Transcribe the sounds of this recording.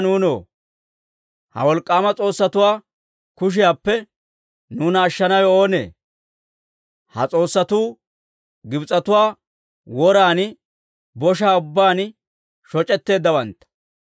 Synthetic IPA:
nuːnoː | hɐ̰wɔlkʼːaːmɐt͡sʼo̞ːsːɐt̪ʊwaː | kʊʃ̬ɪjaːpːɛ | nuːnɐːʃːɐnɐwɛo̞ːnḛː | hɐ̰t͡sʼo̞ːsːɐt̪uː | ɡɪbt͡sʼːɐt̪ʊwaː | wɔɾaːn | bɔʃ̬aːʊbːaːn | ʃɔt͡ʃʼɛt̪ːe̞ːd̪ːɐwɐnt̪ːɐ̥

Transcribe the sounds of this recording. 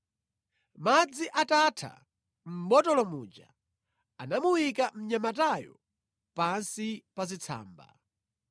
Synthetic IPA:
mad͡ziʔatatʰa̰ | m̩bɔtɔlɔmuːd͡ʒa | anamuwikam̩ɲamatajɔ̰ | pansipazit͡sʰa̰ːmba̰

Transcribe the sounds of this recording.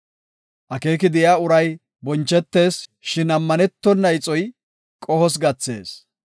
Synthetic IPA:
ʔɐke̞ːkɪd̪ɪjaːʊɾɐj | bɔnt͡ʃːɛt̪ːe̞ːsʃɪnɐmːɐnɛt̪ːɔnːɐjt͡sʼɔj | kʼɔhɔs̬ɡɐt͡sːe̞̰ːs

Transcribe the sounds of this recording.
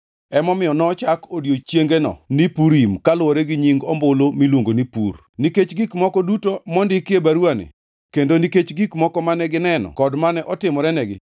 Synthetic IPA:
ɛmɔmɪɔnɔt͡ʃakodjot͡ʃjeŋɡenɔ̰nipuɾimkalʊwɔɾɛɡiɲiŋɡɔmbolomilwoŋɡonipṵr | niket͡ʃɡikmɔkɔdutomɔndɪkjebaɾwanḛ | kendoniket͡ʃɡikmɔkɔmanɛɡɪnɛnɔ̰kɔdmanɛʔɔtɪmɔɾɛnɛɡɪ̰

